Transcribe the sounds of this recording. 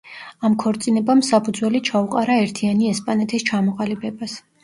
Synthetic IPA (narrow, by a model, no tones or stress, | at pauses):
amkʰɔɾt̪sʼinɛbamsapʰud̪zwɛlit͡ʃʰauqʼaɾaɛɾt̪ʰianiɛspʼanɛt̪ʰist͡ʃʰamɔqʼalibɛbas